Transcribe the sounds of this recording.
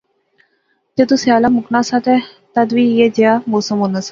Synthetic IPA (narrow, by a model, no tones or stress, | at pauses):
t̪et̪usjalamuknasat̪e | t̪ad̪ʋijed͡ʑjamoːsəmɦonasa